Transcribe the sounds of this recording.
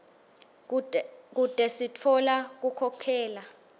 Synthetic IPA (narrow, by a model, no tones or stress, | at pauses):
k̬ud̥ʼʱɛsitʰɔlak̬ukʰɔkʰɛːla